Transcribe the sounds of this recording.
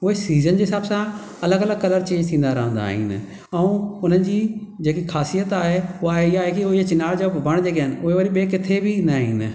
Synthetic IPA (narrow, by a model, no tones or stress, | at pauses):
ʊɦesiːzənd͡ʑeɦɪsaːbsã | ɐləɡələɡkɐləɾt͡ɕẽːɲd͡ʒt̪ʰĩːnd̪aɾɐɦə̃nd̪a̰ːɦɪ̰nɪ | əũʊn̤ənɪ̆d͡ʑiːd͡ʑeːkikʰaːsijət̪aːɦeʊaeiaːɦekiʊɦiet͡ʃɪnaːld͡ʒobʱɐɽ̃d͡ʑeːk̬aːɪnɪʊɦeʋoɾiɓeːkɪt̪ʰebʱinaɦḭn